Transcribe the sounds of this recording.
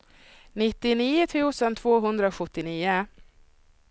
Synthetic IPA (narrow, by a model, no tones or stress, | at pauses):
nɪt̪ːɪniːʊt̪ʰʉ̟ːsənt̪ʰvoːɦɵnd̪ɾaoɧɵt̪ːɪniːʊ